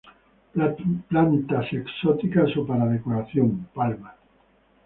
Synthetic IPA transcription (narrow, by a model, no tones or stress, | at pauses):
plant̪aseksot̪ikasopaɾaðekoɾaθjompalma